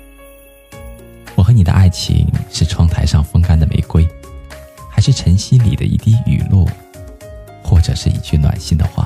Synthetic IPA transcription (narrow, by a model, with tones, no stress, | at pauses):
wɔ˨˩xɤ˧˥ni˨˩d̪ə̰˦ʔa˥˩ɪt͡ɕʰḭ˧˥ŋʂɻ̩˥˩ʈ͡ʂʰwɑ˥ŋt̪ʰa˧˥ɪʂɑ˥˩ŋfɤ˥ŋka˥nd̪ə˨mḛ˧˥ɪkwe˥ɪ | xa˧˥ɪʂɻ̩˥˩ʈ͡ʂʰə˧˥ŋɕi˥nlḭ˨˩d̪ə̰˦ʔḭ˥˧t̪i˥˩y̰˨˩lwɔ̰˥˩ | xwɔ˥˩ʈ͡ʂɤ̰˨˩ʂɻ̩˥˩ḭ˥˩t͡ɕʰy˥˩nwa̰˨˩nɕi˥˩ŋd̪ə̰˨xwa̰˥˩